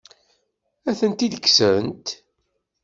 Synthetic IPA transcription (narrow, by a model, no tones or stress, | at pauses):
æθənt̪id̪əkːsəənt̪